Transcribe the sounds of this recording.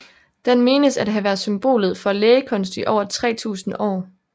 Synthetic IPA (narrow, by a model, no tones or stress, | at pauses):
d̥enme̝ːnəsæd̥ɦæʋæɐðˠsymb̥o̝̰ːlð̩ˠfɒ̽leːəkʰɔ̽nsd̥iʔɒʊɐt͡sʰʁɛ̰ːt͡sʰṵːsn̩ɒ̰ː